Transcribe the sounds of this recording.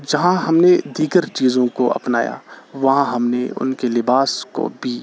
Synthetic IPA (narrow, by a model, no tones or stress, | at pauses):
d͡ʒɐɦãɦɐmned̪iːɡəɾt͡ʃiːzõkoʔɐ̰pnaːja̰ʋɐɦãɦɐmneʊ̰nkelɪbaːsko̰bʱiː